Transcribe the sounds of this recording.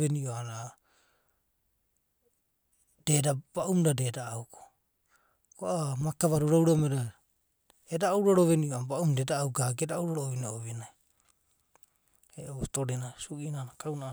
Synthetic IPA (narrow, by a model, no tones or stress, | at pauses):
eniʔoana | d̥e̞dab̥aʔumdadeːdaːuko̥ | koʔamakaβaɾuɾawɾameɾa | edawɾoɾoβeniʔoabaʔumdedaːuɡaɡedawɾoɾooβinaoβinaj | eʔotoɾenasuʔinanakawna